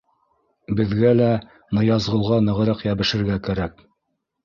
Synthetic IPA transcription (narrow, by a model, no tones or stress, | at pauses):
bɘ̆ðɡælæ | nɤ̆jɑzʁɤ̆lˠʁɑnɤ̆ʁɤ̆ɾɑqjæβɘ̆ʃɘ̆ɾɡækæɾæk